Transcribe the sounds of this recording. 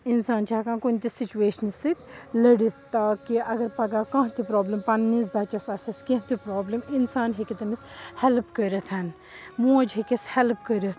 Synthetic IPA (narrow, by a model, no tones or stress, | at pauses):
insaːnt͡ʃʰaːkãːnkunʲt̪isit͡ʃueːʃɐnsit̪ʲlɐɽit̪t̪akiʔɐɡɐɾpɐɡakɐ̃ɦt̪ipɾoːblɐmpɐnːis̬bɐt͡ʃɐsɐsɐskẽɦt̪ipɾoːblɐminsaːnɦikʲit̪ɐmishɛlpkəɾɐt̪ʰɐn | mũːd͡ʒɦekishelpkəɾit̪